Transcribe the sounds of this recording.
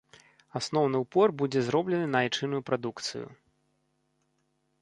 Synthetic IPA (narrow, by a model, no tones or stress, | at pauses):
asnɔwnɨwpɔrbud͡zʲɛzɾɔblʲɛnɨnaːjt͡ʂɨnujupɾad̪ukt̪sɨ̰jṵ